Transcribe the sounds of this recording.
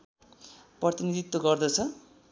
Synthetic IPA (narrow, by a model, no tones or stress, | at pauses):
prʌt̪inid̪ʱit̪ːoɡʌrd̪ʌt͡sʰʌ